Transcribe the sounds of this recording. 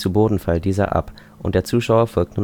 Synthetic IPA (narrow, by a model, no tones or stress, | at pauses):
t͡suboːdn̩faldiːzɐ̰ʔa̰p | ʔʊ̰nt̚d̥eːɐt͡suːʃaʊɐfɔlk̚tnuːn